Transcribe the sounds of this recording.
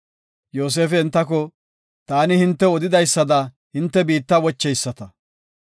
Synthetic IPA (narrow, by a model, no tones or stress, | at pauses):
jo̞ːs̬e̞ːfɛːnt̪ːɐk̬ɔ | t̪aːnɪhɪnt̪ːɛɔd̪ɪd̪ɐjsːɐd̪ɐ | hɪnt̪ːɛbiːt̪ːɐwɔt͡ʃːɛjsːɐt̪ɐ